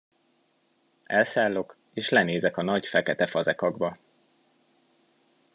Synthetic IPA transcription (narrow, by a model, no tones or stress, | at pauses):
ɛlsaːlːo̞k | eːʃlɛneːzɛkɒnɒɟfɛkɛt̪ɛfɒzɛkɒɡbɒ